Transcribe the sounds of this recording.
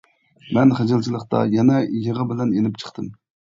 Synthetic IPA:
mɛnχed͡ʒɨlˠt͡ʃʰilˠəχt̪ɑ̰jɛnɛjəʁəbɪlɛnenɪp̚t͡ʃʰə̥χt̪ʰɨm

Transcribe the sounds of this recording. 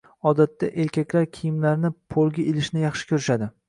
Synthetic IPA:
ɒd̪at̪ːaʔe̞ɾkʲakʲlaɾkʲʰijɪmlaɾnɪpʰolˠɡʲaelɪʃnɪjɑχʃɪ̥kʲʰɵɾɪʃad̪ɪ

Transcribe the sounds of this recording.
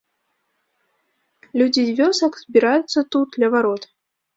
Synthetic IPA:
lʲud͡zʲizʲvʲɔsɐkzbʲiɾajut̪sːɐt̪ud̪̚d̪lʲɐvaɾɔt̪

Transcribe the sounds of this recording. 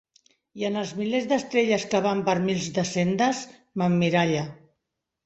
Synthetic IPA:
jiənəlˠzmilezd̪əst̪ɾeʎəskəβ̞ampəɾmilˠzd̪əsend̪əs | mamːiɾaʎə

